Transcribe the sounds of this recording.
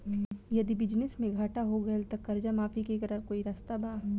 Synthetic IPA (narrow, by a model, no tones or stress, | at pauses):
jɐd̪ibɪd͡ʒnɪsmẽɡʱaːʈaɦoɡɐəlt̪ɐkːɐɾd͡ʒamaːfikekɐɾəfkoːiɾaːst̪abaː